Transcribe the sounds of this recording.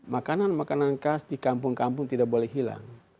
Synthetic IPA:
makananmakanankasdikampʊŋkampʊŋt̪idak̚bolɛhɦila̰ŋ

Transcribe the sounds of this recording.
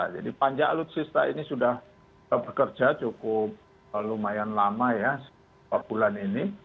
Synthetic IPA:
a̰d͡ʒa̰dipaɲd͡ʒaalʊt̪̚sist̪aḭnisudah | bəkərd͡ʒat͡ʃukʊp̚ | lalumajanlamajas | papulanini

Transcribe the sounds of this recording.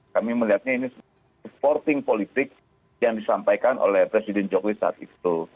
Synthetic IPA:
kamiməliɦat̪̚ɲainis | əpɔrt̪ɪŋpolit̪ɪk̚ | jaŋdisampajkanʔo̰lɛhpɾesidɛnd͡ʒɔklisa̰a̰t̪it̪u

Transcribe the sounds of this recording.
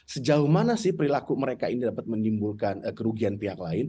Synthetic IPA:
səd͡ʒaʊmanasɪhpəɾilakuməɾekainidapat̪̚mənimbulkanəkəɾuɡianpiɦaklaɪn

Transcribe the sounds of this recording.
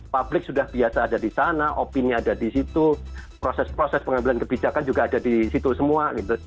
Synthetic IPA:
pablɪk̚sudahb̥iasadadisanaʔopiniadadisit̪upɾosɛspɾosɛspəŋambilankəbid͡ʒakand͡ʒuɡaːdadisit̪usəmuaɡit̪u

